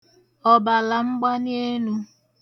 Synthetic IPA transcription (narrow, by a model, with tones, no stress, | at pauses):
ɔ˨ba˨la˨ŋ͡m̩˦ɡ͡ba˦n˦e˦nu˦